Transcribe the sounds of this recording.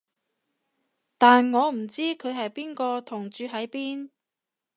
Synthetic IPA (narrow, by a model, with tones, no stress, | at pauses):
t̪aː˨nŋɔː˨˧m̩˨˩t͡siː˥kʰɵ˨˧ɥɦɐ˨jpiː˥nkɔː˧t̪ʰʊ˨˩ŋt͡ʃyː˨˧ɦɐ˨˥jpiː˥n